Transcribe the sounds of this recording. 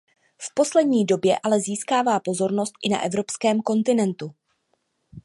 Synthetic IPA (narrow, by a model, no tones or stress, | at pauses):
fpo̞slɛdɲiːdo̞bjɛʔalɛziːskaːvaːpo̞zo̞ɾno̞st̪ʔɪna̰ʔɛvɾo̞pskɛːmko̞nt̪ɪnɛnt̪u